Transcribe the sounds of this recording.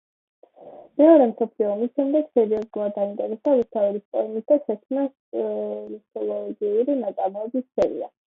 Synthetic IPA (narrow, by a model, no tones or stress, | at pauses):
mɛɔɾɛmsɔpʰliɔːmisʃɛmd̪ɛɡ̥sɛɾiɔzulˠad̪̚d̪aint̪ʼɛɾɛsaust̪ʰauɾispʼɔ̰ɛmisd̪aʃɛkʰmna | it̪ʰɔlˠɔɡiuɾinat̪sʼamɔɛbissɛɾḭa